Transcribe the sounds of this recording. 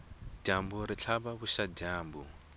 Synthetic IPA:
d͡ʒambuɾit͡ɬʰaβaβuʃad͡ʒaːmbu

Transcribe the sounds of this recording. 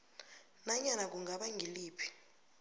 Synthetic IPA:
naɲanak̬ʼuŋʱaɓaŋɡʱiliːpʰi̥

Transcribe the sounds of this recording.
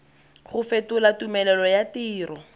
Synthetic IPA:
χʊfetʊlatumɛlɛlɔjatiːrɔ

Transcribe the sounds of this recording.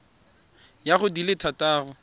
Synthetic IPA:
jaχʊdilɪtʰataːrʊ

